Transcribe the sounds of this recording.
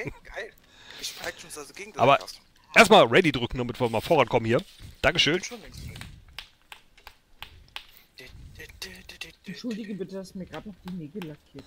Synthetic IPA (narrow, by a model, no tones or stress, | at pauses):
ɡ̥aɪl | ɪaʃonsazɡ̥eːɡŋ̩dʔa̰ːbɐ | ʔeːɐstmaːlʁɛdidʁʏkŋ̩damɪtv̥iɐmaːlfoʁankʰɔmənhiːɐd̥aŋkəʃøːn | ʔɛntʃʊldɪɡəbɪtəd̥asmiːɐɡʁaːpaʊd̥iːneːɡləlakʰiːɐt